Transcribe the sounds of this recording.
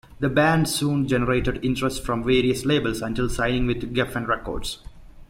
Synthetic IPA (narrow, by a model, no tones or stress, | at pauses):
d̪əbæ̃ɳɖsũːnd͡ʒɛnəɾeːʈəɖɪ̃ɳʈɾəsʈfɾɔ̃mʋeːɾiəsleːbəlsɐ̃ɳʈɪlsãɪnɪ̃ŋʋɪd̪ɡɛfɛ̃ɳɖɾɛko̰ːɖs